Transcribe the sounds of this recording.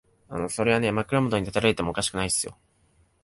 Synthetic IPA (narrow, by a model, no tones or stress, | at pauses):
a̰no̞so̞ɾe̞βane̞makɯ̟ɾomod̪o̞ɲ̟it̪at̪aɾaɾet̪emo̞ːkaɕi̥kɯ̟naisɨjo̞̰